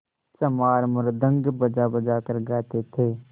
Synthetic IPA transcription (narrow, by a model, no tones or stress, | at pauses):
t͡ʃɐmaːɾməɾd̪ə̃ŋɡbəd͡ʒabɐd͡ʒakəɾɡaːt̪et̪ʰeː